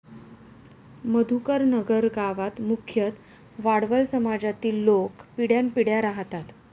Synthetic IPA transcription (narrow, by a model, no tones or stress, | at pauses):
məd̪ʱukəɾnəɡəɾɡaʋat̪mukʰjət̪ | ʋaɽʋəlsəmad͡zat̪iːlːokpiɽjanpiɽjaɾaɦt̪at̪